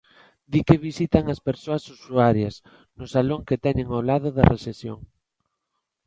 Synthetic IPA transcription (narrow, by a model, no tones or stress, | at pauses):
d̪ikeβisit̪aŋɐspeɾsoɐsusuaɾjɐs | nʊsaloŋket̪ɛɲeŋolað̞ʊðɐ̰resesjo̰ŋ